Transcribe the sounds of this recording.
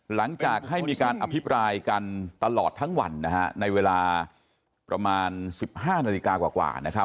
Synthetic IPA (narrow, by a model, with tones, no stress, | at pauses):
la˩˦ŋt͡ɕaː˨˩k̚ɦa˥˩jmiː˧kaː˧nʔa˧pʰi˦˥pɾaː˧jka˧nt̪a˧lɔː˨˩t̪ʰːaː˦˥ŋwa̰˧nːa˦˥kʰa̰˦˥na˧jweː˧laː˧ | pɾa˧maː˧nsi˨˩p̚haː˥˩na˧li˧kaː˧kwaː˨˩kwa̰ː˨˩na˦˥kʰa˦˥